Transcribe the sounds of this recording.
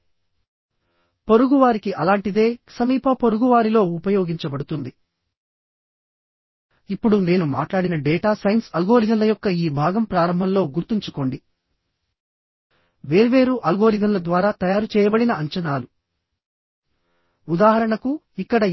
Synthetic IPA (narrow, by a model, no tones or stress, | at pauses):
po̞ɾuɡuʋaːɾikiʔɐlaːɳʈid̪e̞ːsɐmiːpʰɐpo̞ɾuɡuʋaːɾilo̞ːupɐjoːɡiɲt͡ʃɐbɐɽut̪und̪i | ipːuɽune̞ːnuma̰ːʈlaːɽinɐɖɛːʈaːsɐjɐnsɐlɡo̞ːɾid͡ʒɐmlɐjɔkːɐiːbʱaːɡɐmpɾaːɾɐmbʱɐnlo̞ːɡuɾt̪iɲt͡ʃuko̞ɳɖi | ʋe̞ːɾuʋe̞ːɾuʔɐlɡo̞ːɾid͡ʒɐmlɐd̪ʋaːɾaːt̪ɐjaːɾut͡ʃɛːjɐbɐɽinɐːɲt͡ʃɐnaːlu | ud̪aːɦɐɾɐɳɐku | ikːɐɽɐ